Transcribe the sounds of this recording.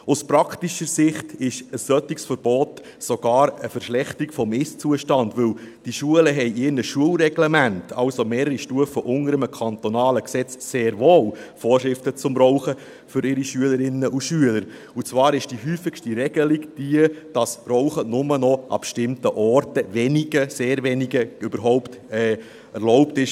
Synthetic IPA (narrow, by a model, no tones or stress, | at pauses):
ʊspɾɑktiʃəɾsɪχtɪʃəsːœtiksfəɾb̥ɔːt | sɔɡ̥ɑːɾəfəɾʃlɛχtikfɔmɪst͡suəʃtɑndvʏld̥iʃuələɦɛɪʔɪɾnəʃuəlɾɛɡlɛmæntʰɑlsomeːɾəɾiʃtuəfəʔʊŋəɾəməkʰɑnt̪ɔnɑːləksɛt͡sːeːɾvoːlfɔːrʃɾɪftət͡sʊmɾɔʊχə | fʏɾɪɾiʃyələɾɪnːəʔuʃyələɾ | ut͡sʋɑːɾɪʃd̥iɦyːfɪkʃtiɾɛɡ̥əliɡd̥iəd̥ɑsɾɔʊχənʊmənɔʔɑ̰bʃtɪmtəʔɔɾtəvɛniɡəseːɾvɛniɡəʏbəɾɦɔʊptɛː | ɛrlɔʊptɪʃ